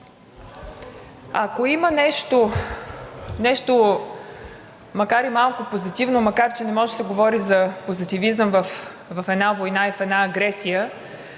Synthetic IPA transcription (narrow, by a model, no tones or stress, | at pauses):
ɐkoimənɛʃt̪o | nɛʃt̪o | mɐkaɾimalˠkʊpozit̪ivnomɐkaɾt͡ʃɛnɛmɔʒɛsɛɡovɔɾizɐpozit̪ivizəmvəf | vɐfɛd̪navojnaifɛd̪naːɡɾɛsijə